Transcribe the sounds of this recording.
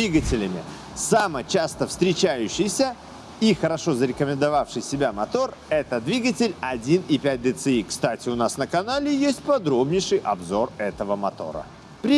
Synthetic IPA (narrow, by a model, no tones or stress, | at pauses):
iɡətʲɪlʲɪmʲɪ̰ | samət͡ɕast̪əfst̪ɾʲɪt͡ɕæjʉɕːɪjsʲə | ixəɾɐʂo̞zəɾʲɪkəmʲɪ̃nd̪ɐvafʂɨjsʲɪbʲamɐt̪o̞rɛt̪əd̪vʲiɡətʲɪlʲɐdʲinɪpʲæt̚ʲd̪ʲɪt̪sɨikst̪atʲɪʊnasnəkɐnalʲɪjesʲt̚ʲpɐd̪ɾo̞bnʲɪjʂɨjʔɐ̰bzo̞rɛt̪əvəmɐt̪o̞̰ɾə̰ | pɾʲɪ